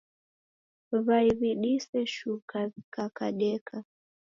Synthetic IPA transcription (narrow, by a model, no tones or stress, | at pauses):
βaiβiɗisɛʃukazikakaɗɛkʰa